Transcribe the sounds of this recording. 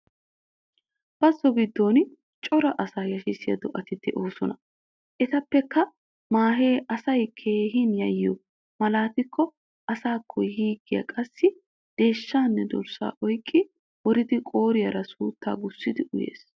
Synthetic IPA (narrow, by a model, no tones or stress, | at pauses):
b̥ɐsɔbɪd̪ːo̞ːn | t͡ʃʼɔɾɐʔɐsaːjɐʃɪsɪjɐ̰d̪ɔʔɐt̪ɪt̪ːɪʔo̞ːsɔnɐ | ʔɛt̪ɐpːɛkːɐ | maːɦeːʔɐsɐjkʰeːɦinjɐjːʊ | mɐlaːt̪ɪkːɔ | ʔɐsaːkʰːɔjhiːɡɪjɐ̰kʼɐsːɪ | d̪̥e̞ːʃːaːnːɛd̪ɔ̰ɾsa̰ːʔɔjkʼːɪ | wɔɾɪd̪ɪkʼo̞ːɾɪjɐɾɐsuːt̪ːa̰ːɡʊsːɪd̪ɪʔʊjḛːs